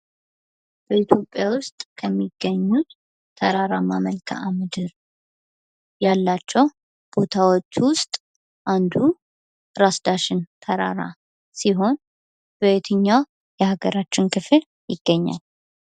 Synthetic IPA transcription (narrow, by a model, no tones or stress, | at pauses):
b̥əit̪ʰjo̞pʼːjawʊst̪ʼkʰəmːiɡːəɲːut̪ːʰ | əɾaɾamaməlkʰa̰amɨd̪ɨɾ | jalːat͡ʃːɛw | b̥o̞t̪ʰawo̞t͡ʃːwʊst̪ʼ | ʔand̪u | ɾasd̪aʃɪnt̪ʰəɾa̰ɾa̰ | siɦo̞n | b̥əet̪ʰɨɲːa | jɛhaɡəɾat͡ʃːɪnkʰɨfɨl | jɪɡːəɲːa̰l